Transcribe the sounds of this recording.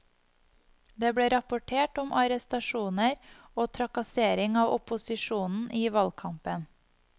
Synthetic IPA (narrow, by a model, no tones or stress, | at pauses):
d̪eːbɽeːɾɑpʊʈʰeːʈʊmʔɑɾɛst̪ɑʃuːnəɾ | oːt̪ʰɾɑkɑseːɾɪŋɑːʋʔɔpʊsɪʃuːnn̩ʔiːʋɑlkʰɑmpən